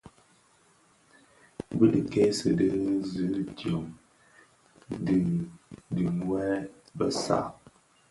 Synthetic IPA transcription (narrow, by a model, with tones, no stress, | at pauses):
bɨ˦ɗɨ˨ke˦sɨ̰˨də˦zɨ˨˦tjo˨ŋ | di˨dɨ˨ŋwɛ˦ | bə˦sa̰˦˨